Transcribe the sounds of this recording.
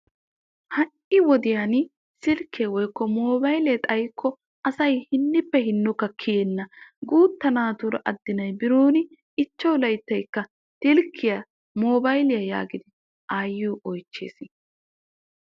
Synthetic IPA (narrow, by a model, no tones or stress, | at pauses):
hɐʔɪwɔd̪ɪjan | sɪlkʰːewɔjkːɔmoːbɐjleːt̪ʼɐjkʰːɔ | ɐsɐjhɪnːɪpːɛɦɪnːʊkːɐkʰːɪjɛnːɐɡuːt̪ːɐnaːt̪ʊɾɐ̰ʔɐd̪ːɪnɐjbɪɾuːnɪ | ɪt͡ʃːɐwlɐjt̪ːɐjkːɐ | t̪ɪlkʰːɪjɐ | moːbɐjlɪjɐja̰ːɡɪd̪ɪ | ʔaːjːuːʔɔjt͡ʃːḛːsɪn